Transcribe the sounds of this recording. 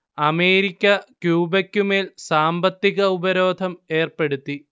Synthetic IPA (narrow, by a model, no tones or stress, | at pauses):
ɐmeːɾikʲːɐkjuːbɐkʲːume̞ːlsaːmbɐt̪ːiɣɐubɐɾo̞ːd̪ʱɐme̞ːrpe̞ɽut̪ːi